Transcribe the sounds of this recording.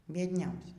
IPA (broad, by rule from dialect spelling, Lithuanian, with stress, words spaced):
bʲiɛdʲˈnʲɛʊsʲɛs